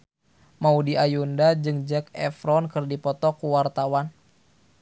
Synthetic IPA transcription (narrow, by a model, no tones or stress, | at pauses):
maudiʔajundad͡ʒɨŋd͡ʒɛkɛfɾɔnkɨrdipɔt̪ɔkuwart̪awan